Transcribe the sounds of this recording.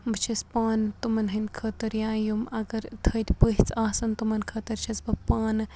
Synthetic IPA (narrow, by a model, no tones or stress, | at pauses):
mɐt͡ʃʰispaːnt̪umɐnɦɐnʲkʰəːt̪ɐɾjãːjumɐɡɐɾt̪ʰəːt̪ʲpəɦʲit͡saːsɐnt̪umɐnkʰəːt̪ɐɾt͡ʃʰɐsbɐpaːn